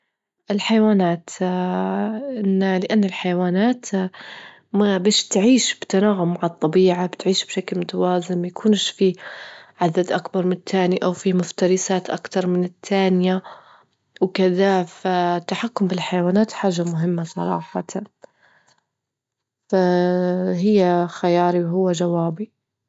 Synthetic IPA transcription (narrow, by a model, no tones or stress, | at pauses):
ʔɪlħajawaːnaːt̪ | ʔɪnːalɪʔanːalħajawaːnaːt̪ | mabeːʃt̪ʕiːʃb̥ɪt̪anaːɣʊmːaʕɨt̪ˤːɑbiːʕabt̪ʕiːʃbʃaklmʊt̪awaːzɪmmajakʰuːnʃfiʕad̪ad̪ʔakbɑɾˤmɪnɪt̪ʰːaːniʔawfimʊft̪ɑɾˤɪsaːt̪ʔakt̪ɑɾˤmɪnɪt̪ʰːaːnɪja | wkɪðafat̪ːaħakːʊmbɪlħajawaːnaːt̪ħaːʒamʊɦɪmːasˤɑ̰ɾˤɑ̰ːħɑ | fa | ɦɪjːaxajɑːɾiwɦʊwːad͡ʒawaːbi